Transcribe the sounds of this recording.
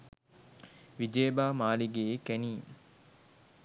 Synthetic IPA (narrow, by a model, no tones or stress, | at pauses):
ʋid͡ʒeːbaːmaːliɡekæniː